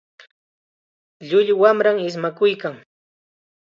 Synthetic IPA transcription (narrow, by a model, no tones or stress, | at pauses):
ʎʊʎwamɾaŋɪs̬makʊjkaŋ